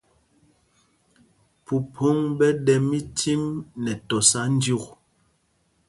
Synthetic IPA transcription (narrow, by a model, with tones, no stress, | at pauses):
pu˨pʰo˦ŋbɛ˦ɗɛ˨mi˦tʰi˦mnɛ˨tɔ˨sa˦n̩˦dju˦k